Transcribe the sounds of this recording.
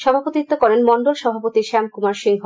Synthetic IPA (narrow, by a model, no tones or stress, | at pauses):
ʃɔbʱapot̪it̪ːokɔɾenmɔɳɖolʃɔbʱapot̪iʃɛmkumaɾʃiŋɦo